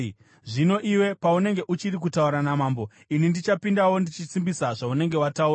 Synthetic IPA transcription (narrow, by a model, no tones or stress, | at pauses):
ʐino̞ʔiwe̞paune̞ŋɡe̞ʔut͡ʃirik̬utauɾanamaːmbo̞ | inindit͡ʃapindawo̞ndit͡ʃit͡simbisaʐaune̞ŋɡe̞watauːra